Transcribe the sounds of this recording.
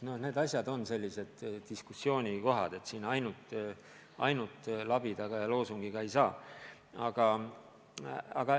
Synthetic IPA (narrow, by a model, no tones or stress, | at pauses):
no̞hne̞ːd̪̥ɑsʲjɑd̪o̞nse̞lʲːise̞d̪̥d̪̥iskusːjo̞ːnʲiko̞ɦɑ̰d̪̥e̞t̪siːnɑjnut̪ːˑ | ʔɑ̰jnut̪ˑlɑb̥it̪ɑɡ̥ɑjɑlo̞ːsuŋɡ̥iɡ̥ɑe̞jsɑː | ɑɡ̥ɑ | ɑ̰ɡ̥ɑ